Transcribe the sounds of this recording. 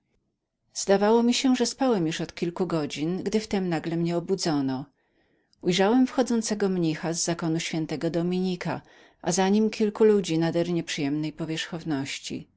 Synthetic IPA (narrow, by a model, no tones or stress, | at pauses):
z̥d̪avawɔmʲiɕɛʐɛspawɛmjuʂɔt̪kʲilkuɡɔd͡ʑinɡd̪ɘft̪ɛmnaɡlɛmɲɛɔbud̪zɔnɔ | ujʐawɛmfxɔd̪zɔnt̪sɛɡɔmɲixazːakɔnuɕfʲjɛnt̪ɛɡɔd̪ɔmʲiɲika̰ | ʔa̰zaɲimkʲʰilkulud͡ʑinad̪ɛɾɲɛpʂɨjɛmnɛjpɔvʲjɛʂxɔvnɔɕt͡ɕḭ